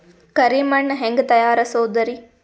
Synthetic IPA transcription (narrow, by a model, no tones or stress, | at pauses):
kɐɾiːmɐɳːɐɦeŋɡt̪ɐjaːɾɐsoːd̪ɐɾi